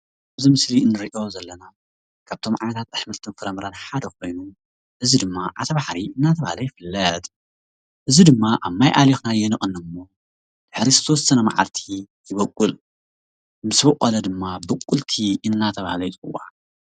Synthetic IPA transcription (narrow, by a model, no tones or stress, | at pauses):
aβzimɨsliɨnːɨɾiʔo̞zɐlːɐna | kʰaβt̪ʰo̞mʕa̰jnɐt̪ʰat̪aħmɐlt̪ʰɨnfɨɾɐmɨɾanħad̪ɐkʰo̞jnu | ʔɨzid̪ɨmːaʔat̪ʰɐβaħɾiɨnːat̪ʰɐβahlɐjɪfɨlːɐt̪ʼ | ʔɨzid̪ɨmːaʔaβmajʔalexnajɛnɨχʼɨnːɨmːo̞ | d̪̥ɨħnizɨ̥t̪ʰɐwɔsːɐnɐma̰ʕa̰lt̪ʰi | jɨβɐkʼːul | mɨsbɨqʼolɐd̪ɨmːabɐkʼːult̪ʰiʔɨnːat̪ʰɐβahlɐjit͡sʼɨ̰wa̰